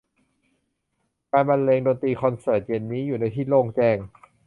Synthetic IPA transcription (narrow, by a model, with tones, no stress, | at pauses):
kaː˧nba˧nleː˧ŋdoː˧nt̪ɾiː˧kʰɔ˧nsɤː˨˩t̪̚je˧nːiː˦˥juː˨˩naː˧t̪ʰiː˥˩loː˧ŋt͡ɕɛː˧˩ŋ